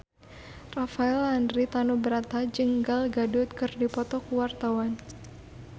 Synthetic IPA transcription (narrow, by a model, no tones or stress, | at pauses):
rafaɛlandɾit̪anubəɾat̪ad͡ʒəŋɡalɡadʊt̪̚kɨrdipɔt̪ɔkuwart̪awan